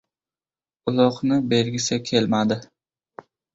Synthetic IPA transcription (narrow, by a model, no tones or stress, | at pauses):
ʊlˠɒqnɪbe̞lɡʲɪsɪkʲʰe̞lmad̪ɪ